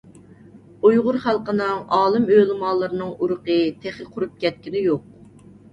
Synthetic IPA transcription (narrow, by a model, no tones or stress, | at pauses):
ujʁʊɾχælˠqənɨŋɑːlˠɨmølˠɨmɑlˠːɨɾɨnɨŋuɾʊqət̪ʰeχlɪqʰʊɾup̚kʲʰɛt̪̚kʲinɪjoq̚